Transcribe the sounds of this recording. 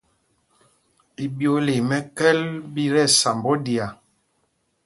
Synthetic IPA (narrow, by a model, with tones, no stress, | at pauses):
i˨bjo˦le˨mɛ˦kɛ˦lbi˦ɾɛ˦˨sa˨mbɔ˦di˨a˨